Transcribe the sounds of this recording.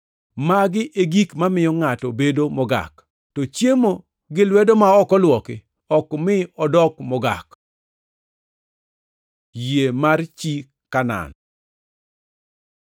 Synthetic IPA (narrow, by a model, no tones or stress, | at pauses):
maɡɪʔeɡikmamɪjɔŋatɔbedomɔɡa̰k | tɔt͡ʃjemo | ɡɪlwɛdomaɔkɔlwɔkɪ | ɔkmɪɔdɔkmɔɡa̰k | jemart͡ʃi | kana̰n